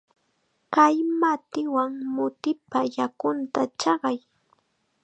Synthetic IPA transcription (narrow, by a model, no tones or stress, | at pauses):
kajmat̪ɪwaŋmʊt̪ɪpajakʊnt̪at͡ʃɑɢɑj